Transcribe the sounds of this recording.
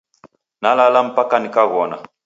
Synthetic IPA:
nalalam̩pakanikaɣɔna̰

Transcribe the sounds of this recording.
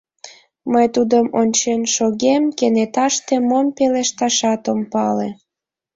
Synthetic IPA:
məjt̪ud̪əmonʲt͡ɕenʃoɣemkenet̪ɑʃt̪emompeleʃt̪ɑʃɑt̪əmpɑle

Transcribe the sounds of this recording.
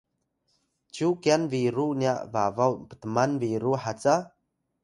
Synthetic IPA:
t͡ʃukianviɾunjaʔvavawbə̥t̪əmanviɾuħat͡sa

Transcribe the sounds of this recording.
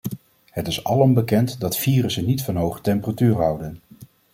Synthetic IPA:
hətɪsɑlɔmbəkɛntdɑtfiːrəsənitfɑnɦowχə̥tɛmpəratyːrɦʌwdən

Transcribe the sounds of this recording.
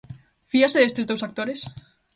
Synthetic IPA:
fiaseðest̪ezðowsak̚t̪oɾes

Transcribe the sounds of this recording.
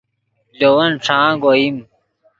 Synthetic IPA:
d͡ʑowɐnʈ͡ʂʰãːɡoim

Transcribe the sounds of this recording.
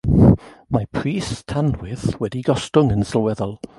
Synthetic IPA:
mapʰriːstʰanwɪðwɛdiɡɔstʊŋənsəlˠwɛðɔlˠ

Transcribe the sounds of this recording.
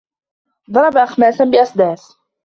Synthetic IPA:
ðˤɑɾˤɑbaʔaxmaːsanbɪʔɑsˤd̪æːs

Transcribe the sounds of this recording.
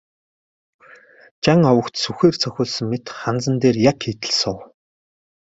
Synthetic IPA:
t͡ɕaŋɔwə̆kt̪suxeːrt͡sʰœxʲʊːɮsɵ̆ŋmet̪χant͡sə̆nt̪eːrjakxet̪ɘ̆ɮsʊw

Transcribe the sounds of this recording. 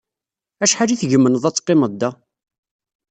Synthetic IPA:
æʃħaliθʝəmːənəðˤæt͡sːqːɪməd̪ːæ

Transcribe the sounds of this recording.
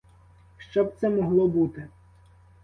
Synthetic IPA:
ʃt͡ʃɔb̚t̪sɛmɔɦlˠɔbut̪ɪ

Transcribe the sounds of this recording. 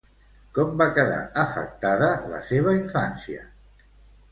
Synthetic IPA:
kɔmbakəða̰əfə̰k̚t̪aðələ̰seβ̞əiɱfansiə̰

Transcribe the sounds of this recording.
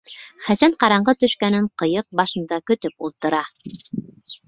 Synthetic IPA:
χæsænqɑɾɑɴɢɤt̪ɵ̆ʃkænɘɴqɤ̆jɤq̚bɑʃɤ̆nd̪ɑkɵ̆t̪ɵpulˠt̪ɤ̆ɾɑ

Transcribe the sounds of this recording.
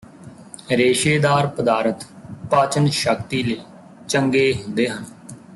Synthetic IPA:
ɾeːʃeːd̪aːɾpəd̪aːɾət̪paːt͡ʃənʃəkt̪iːləiː | t͡ʃəŋɡeːɦʊ̃nd̪eːɦən

